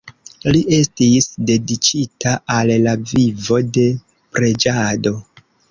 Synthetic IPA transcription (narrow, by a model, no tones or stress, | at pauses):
liʔe̞stisde̞dit͡ʃitaallavivo̞de̞ | pɾe̞d͡ʒado̞